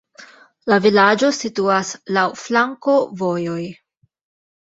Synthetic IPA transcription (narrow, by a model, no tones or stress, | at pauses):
lavilad͡ʒo̞situaslawflaŋko̞vo̞jo̞j